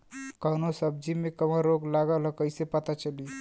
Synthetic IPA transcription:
kəɦnosəb̚d͡ʒimekəməɾoɡlaɡələkəjsepət̪at͡ʃəli

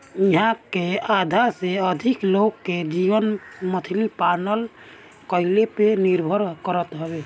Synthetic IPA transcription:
iɦãkead̪ʱaseəd̪ʱiklokːed͡ʒibənmət̪ʰilipanəl | kəɪlepeniɾbʱəɾkəɾət̪ɦɔbe

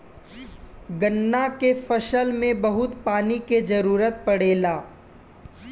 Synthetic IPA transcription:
ɡənːakefəʃəlmẽbɐɦʊt̪paːniked͡ʒɐɾuːɾət̪̚pɐɽeːlaː

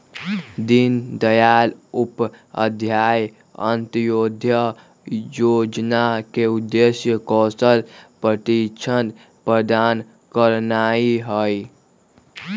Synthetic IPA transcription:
d̪ind̪əjalupə̰d̪ʱjaj | ə̰nt̪jod̪ʱjə | jod͡ʒnakeud̪ːesjəkɔsəlpɾət̪it͡ʃʰənd̪ | pɾəd̪an | kəɾnaiɦəj

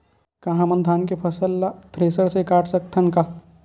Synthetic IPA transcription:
kɐɦãmɐnd̪ʱaːnkepʰɐsəlːat̪ʰɾeːsəɾsekaːʈʰsɐk̚t̪ʰɐnkaː

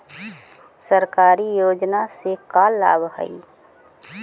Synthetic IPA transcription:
səɾkaːɾijoːd͡ʒnasekaːlːa̰ːbɦə̰i

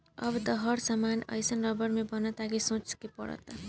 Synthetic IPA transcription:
ʌ̰bt̪ʌɦʌɾsamanʌ̰jsʌnrʌbʌɾmebʌnʌt̪aɡisõt͡ʃkepʌ̰ɽʌ̰t̪a

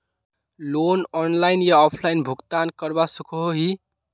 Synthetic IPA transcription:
lonɔnlaɪnjaɔpʰlainbʱuɡt̪ankəɾbasukʰoɦoɦi

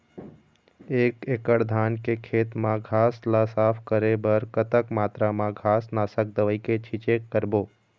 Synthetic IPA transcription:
eːkeːkəɽd̪ʱaːnkekʰeːt̪mãɡʱaːslasaːpʰkəɾebəɾkət̪əkmaːt̪ɾamãɡʱaːsnaːsək̚d̪əʋəiket͡ʃʰɪt͡ʃeːkːəɾboː

